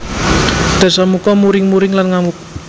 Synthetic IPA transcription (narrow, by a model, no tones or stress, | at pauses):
d̪̥a̤samukɔmuɾɪŋmuɾɪŋlanŋamu